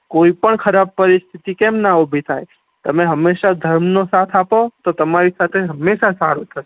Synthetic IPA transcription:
koipəɳkʰəɾab̚pəɾist̪ʰit̪ikɛmnaobʱit̪ʰaj | t̪əmeɦəmːeʃad̪ʱəɾmnosat̪ʰapot̪ot̪əmaɾisat̪ʰeɦəmːeʃasaɾut̪ʰəɾe

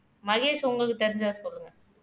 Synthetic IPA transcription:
mɐɣeːʂʊŋɡɐɭkːɯt̪ɛɾɪɲd͡ʒaːsɔlːɯŋɡɐ

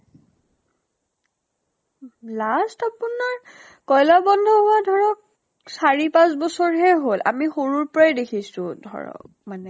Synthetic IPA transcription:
lastapunaɹ | kɔjlabɔndʱɔɦɔwadʱɔɹɔk̚ | saɹipãs̬bɔsɔɹɦɛɦola̰mixoɹuɹpɔɹajdekʰisʊ̃dʱɔ̰ɹɔ̰k̚ | manɛ

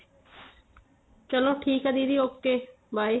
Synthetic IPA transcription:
t͡ʃəloʈʰiːkad̪iːd̪iːoːkeː | bʱaːi

